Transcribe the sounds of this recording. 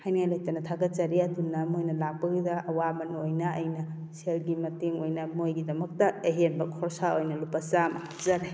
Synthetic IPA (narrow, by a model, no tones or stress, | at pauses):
hajniŋajlaj̚tɐnɐtʰaɡɐtt͡ʃɐɾiɐdunːɐmojnɐlak̚pɐɡidɐɐwamɐnojnɐɐjnɐ | selɡimɐteŋojnɐmojɡidɐmɐk̚tɐeɦenbɐkʰɔɾsaojnɐlupɐsamɐhak̚zaɾi